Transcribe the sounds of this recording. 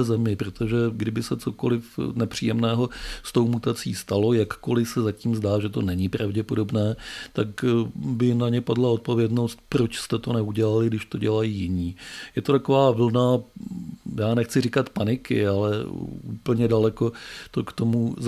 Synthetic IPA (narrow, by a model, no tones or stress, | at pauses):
ɛzɛmɪpɾot̪ʰo̞ʒɛɡdɪbɪsɛt͡so̞ko̞lɪfnɛpr̝̥ijɛmnɛːɦo̞st̪o̞wmut̪at͡siːst̪alo̞jakːo̞lɪsɛzaciːmzdaːʒɛt̪o̞nɛɲɪpɾavɟɛpodo̞bnɛːt̪akbɪnaɲɛpadlao̞t̪̚po̞vjɛdno̞st̪̚pɾo̞t͡ʃst̪ɛt̪o̞nɛuɟɛlalɪɡdɪʃt̪o̞ɟɛlajiːjɪɲiːjɛt̪o̞t̪ako̞vaːvl̩na | jaːnɛxt͡sɪrɪkat̪panɪkɪ̰alɛʔuːpl̩ɲɛdalɛko̞t̪o̞kt̪o̞muz